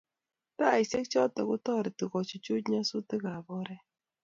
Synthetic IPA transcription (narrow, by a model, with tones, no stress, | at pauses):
ta˦˨i˨se˦kt͡ʃɔ˦tɛ˨kʊ˦tɔ˦˨ɾɪ˨ti˨kɔ˨t͡ʃʊ˨t͡ʃu˦t͡ʃɲa˦sʊ˦tɪ˦ka˨bɔ˦ɾɛ˦